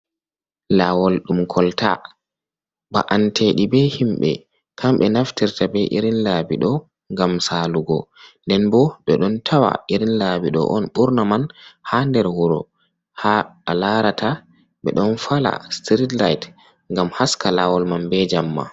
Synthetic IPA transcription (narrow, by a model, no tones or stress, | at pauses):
lawɔlɗumkʰɔlta̰ | ba̰ʔantʰeɗibɛhimɓɛ̰ | kʰamɓɛnaftiɾtabɛʔiɾinlabiɗɔ | ŋɡamsaːluɡɔndɛnbɔɗɔɗɔntʰawa̰ʔiɾinlabiɗɔ̰ʔɔnɓuɾnamanhandɛɾhuɾɔ̰ | haalaɾata | ɓɛ̰ɗɔnfala̰stɾitla̰jt | ŋɡamhaskalawɔlmanbɛd͡ʒamːa̰